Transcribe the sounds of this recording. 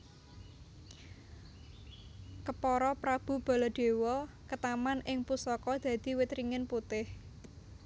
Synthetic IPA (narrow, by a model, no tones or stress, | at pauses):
kəpɔɾɔpɾab̥ṳb̥a̤lɔɖ̪̥e̤wɔ | kət̪amanʔɪŋpusɔkɔd̪̥ä̤d̪̥i̤wɪt̪ɾiŋɪnput̪ɪh